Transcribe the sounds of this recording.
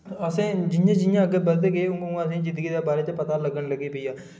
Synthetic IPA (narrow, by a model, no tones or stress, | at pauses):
əsẽːd͡ʒɪjãːd͡ʒɪjãːəɡeːbəlt̪eːɡeʊŋɡʊ̃ŋaːsẽːd͡ʒɪ̃nd̪əɡiːd̪eːbaːɾeːt͡ʃpət̪aːləɡənləɡiːpəijãː